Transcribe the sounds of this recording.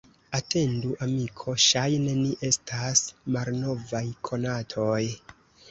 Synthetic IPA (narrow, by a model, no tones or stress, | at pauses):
ate̞nduʔamikʰo̞ʃajne̞niʔe̞stʰasmalno̞vajkʰo̞natʰo̞j